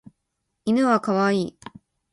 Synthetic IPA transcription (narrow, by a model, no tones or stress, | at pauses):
inɯ̟βakaβaiː